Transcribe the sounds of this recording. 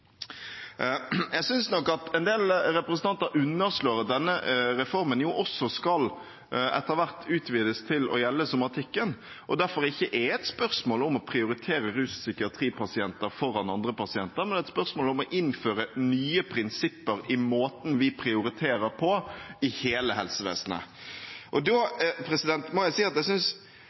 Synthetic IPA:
jæsʏnsnɔkːɑt̪ɛnd̪eːlɾɛpɾəsənt̪ʰɑnt̪əɾʉnːəɾʂloːɾd̪ɛnːəɾɛfɔɾmənjʊʔɔsɔskɑl | ɛ̰t̪ːəɾʋæʁt̪ʰʉːt̪ʰʋiːd̪əst̪ʰɪlɔ̰jɛlːəsʊmɑt̪ʰɪkːən | ʔɔd̪æɾfɔɾɪçːəʔɛɛt̪spœɾsmoːlɔmɔpʰɾɪʊɾɪt̪ʰeːɾəɾʉːssʏkɪɑt̪ʰɾiːpʰɑsɪɛnt̪əɾfɔɾːɑnɑnd̪ɾəpɑsɪɛnt̪əɾmɛnɛt̪spœʁsmoːlʊmɔʔɪnføːɾənyːəpʰɾɪnsɪpːəɾɪmoːt̪n̩ʋɪpʰɾɪʊɾɪt̪ʰeːɾəɾpʰɔɪheːləɦɛlsəʋḛːsnə̰ʔɔd̪opʰɾɛsɪd̪ɛnt̪mɔjæɪsiːɑt̪d̪ɛæɪsʏns

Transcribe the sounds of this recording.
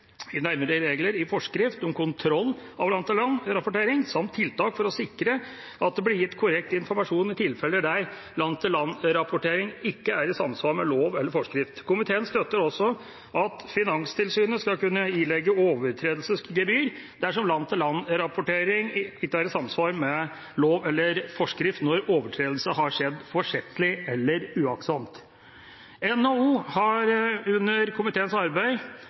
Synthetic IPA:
ɪnæɾməɾəɾeːɡləɾɪfɔʂkɾɪft̪ɔmkʰʊnt̪ʰɾɔlːɑʋlɑnt̪ːɪlɑnɾɑpʊʈeːɾɪŋsɑmt̪ʰːɪlt̪ɑːkfɔɾɔsɪkːɾə | ɑt̪̚d̪ɛblɪɾjɪt̪ːkʰʊɾɛk̚t̪əɪnfɔɾmɑʂuːnɪt̪ʰɪlfɛlːəd̪æɾ | lɑnt̪ʰːɪlɑnɾɑpʊʈeːɾɪŋɪkːəæɾɪsɑmsʋɑːɾmɛloːʋɛlːəɾfɔʂkɾɪft̪kʊmɪt̪ʰeːənst̪œt̪ːəɾɔsːɔ | ʔɑt̪fɪnɑŋst̪ʰɪlsyːnəskɑlkʉnːəɪlɛɡəoːʋəɾʈ̪ʰɾeːd̪l̩səskɡɛbyːɾ | d̪æʂɔmlɑnt̪ʰːəlɑnɾɑpʊʈeːɾɪŋɪkːəæɾɪsɑmsʋɑːɾmɛ | loːʋɛlːəɾfɔʂkɾɪft̪nɔɾoːʋəʈʰɾeːd̪l̩səɦɑɾʂɛd̪fɔʂɪt̪ːəlɪɛlːəɾʉːɑksɑmt̪ | ɛnouːhɑɾʉnːəɾkʰʊmɪt̪ʰeːənsɑɾbæɪ

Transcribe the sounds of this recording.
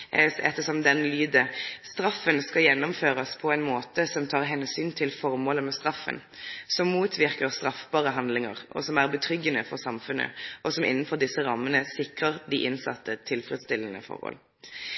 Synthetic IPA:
ɛt̪ːəsɔmd̪ɛnlyːd̪əst̪ʁɑfːənskɑjɛnːɔmføːʁəspʰɔɛɪnmoːt̪əsɔmt̪ʰɑːʁɦɛnsyːnt̪ʰɪlfɔʁmoːləmɛst̪ʁɑfːə̰n | sɔmːuːt̪ʰʋɪʁkəʁst̪ʁɑfbɑːʁəɦɑnd̪lɪŋəʁɔ̰sɔmæʁbət̪ʰɾʏɡːənəfɔʁsɑmfʉnːə̰ʔɔsɔmʔɪ̰nːənfɔʁd̪ɪsːəʁɑmːənəsɪkʁəʁd̪ɪʔɪnsɑ̰t̪ːət̪ʰɪlfʁət̪st̪ɪlːənə̰fɔ̰ʁhɔ̰l

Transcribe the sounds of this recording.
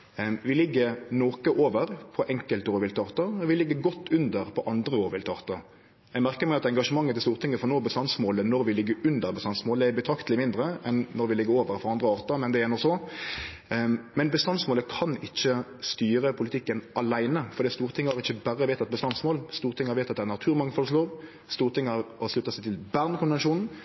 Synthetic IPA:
ʋɪlɪɡːəɾnoːkəʔoːʋəɾpʰɔʔɛŋkəlt̪oːʁʋɪlt̪ɑːʁt̪əɔʋɪlɪɡːəɡɔt̪ʰːʉnd̪əɾpʰɔʔɑnd̪ɾəoːɾʋɪlt̪ʰɑːʁt̪ə | jæɡmæʁkəmɛɑt̪ɛŋɡɑʂəmɑŋːət̪ɪlst̪uːʁt̪ʰɪŋːəfɔnoːbəst̪ɑnsmoːlənɔɾʋɪlɪɡːəɾʉnd̪əɾbəst̪ɑnsmoːld̪ɛɛbət̪ʰɾɑkt̪əlɪmɪnd̪ɾəɛnːɔɾʋɪlɪɡːəɾoːʋəɾfɔʁɑnd̪ʁəɑːʁt̪ɑmɛnd̪ɛɛnɔsɔ | mɛnbəst̪ɑnsmoːləkʰɑnɪçːəst̪yːɾəpʰʊlɪt̪ʰɪkːənʔɑlæɪnəfɔɾd̪ɛːst̪uːɾət̪ʰɪŋːəɑʁɪçːəbæɾːəʋeɪt̪ɑt̪̚bəst̪ɑnsmoːlst̪uːɾt̪ɪŋːɑɾʋeɪt̪ɑt̪̚d̪ɛænɑt̪ʰʉːʁmɑŋfɔlsʂloːʁ | st̪uːʁt̪ɪŋːɑʁhɑʂlʉt̪ːɑsæɪt̪ʰɪlbæːʁnkʰʊnʋɛnʂuːnn̩

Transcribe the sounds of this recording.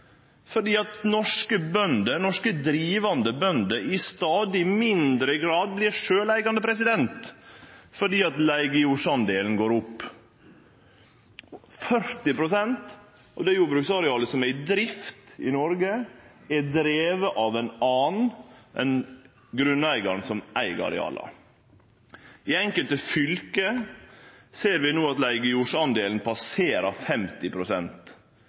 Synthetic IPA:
fɔɖiːɑt̪nɔʂkəbœnd̪ənɔʂkəd̪ɾiːʋɑnd̪əbœnd̪əʔɪst̪ɑːd̪ɪmɪnd̪ɾəɡɾɑːd̪̚blɪɾʂøːlæɪɡɑnd̪əpʰɾɛsɪd̪ɛnt̪ | fɔɖiːɑt̪læɪɡəʊʂɑnd̪eːln̩ɡoːɾʊpː | fœɾt̪ɪpʰɾʊsɛnt̪ | ɑʋd̪ɛjuːbɾʉksɑɾɛɑːləsɔmæɪd̪ɾɪft̪ɪnɔɾɡə | ɛd̪ɾeːʋəʔɑʋænɑːnnʔɛn | ɡɾʉnːæɪɡɑɾɳn̩sɔmʔæɪɡɑ̰ɾɛ̰ɑ̰ːlɑ̰ | ɪɛŋkəlt̪əfʏlkə | seːɾʋɪnoːɑt̪læɪɡəuʂɑnd̪eːlnpʰɑseːɾɑɾfɛmt̪ɪpʰɾʊsɛnt̪

